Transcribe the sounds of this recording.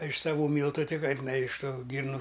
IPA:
ɪʃ sɐˈʋuː ˈmʲiːlˠtʊ ˈtʲɪ ˈkɐɪp nɐ ɪʃ ˈtuː ˈɡʲiːrnʊ

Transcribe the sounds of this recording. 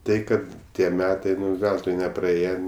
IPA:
ˈtɐɪ ˈkɐt ˈtʲiɛ ˈmʲæːtɐɪ ˈʋʲɛlˠtʊɪ nʲɛprɐˈeːjɛ

